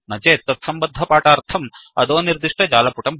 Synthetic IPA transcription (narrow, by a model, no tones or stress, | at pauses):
nɐd͡ʒeːt̪ːɐt̪sɐmbɐd̪ʱːɐpaːʈaːɾt̪ʰɐmɐd̪oːniɾd̪iʂʈɐd͡ʒaːlɐpuʈɐm